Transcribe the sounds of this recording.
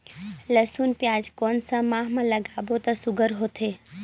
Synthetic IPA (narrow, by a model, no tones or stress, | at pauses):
ləsuːnpjaːd͡ʒkoːnsə̃maːɦmãlɐɡaːbot̪ɐsʊɡʱəɾɦoːt̪ʰeː